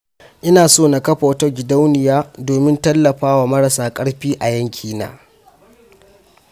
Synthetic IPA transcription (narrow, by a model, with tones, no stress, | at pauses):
ʔɪ˦naː˨soː˦˨na˨kɐ˦ɸa˨wtɐ˦ɡʲɪ˨da˦wnɪ˨jaː˦doː˨mɪ˦ntɐ˦lːɐ˨ɸaː˦waː˨mɐ˦ɾɐ˨saː˨kʼɐ˦ɽɸiː˦ʔa˨jɐ˦ŋkʲʰiː˦na̰ː˨